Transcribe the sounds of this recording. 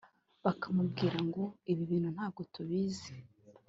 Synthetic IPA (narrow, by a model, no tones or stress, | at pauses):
βakamubɡiːɾaŋɡo̞iβiβiːn̥hun̥haːb̚ɡo̞tuβiːze